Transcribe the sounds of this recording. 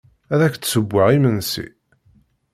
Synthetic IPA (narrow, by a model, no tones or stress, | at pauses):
æðæçt̪səbʷːaʁimənsḭ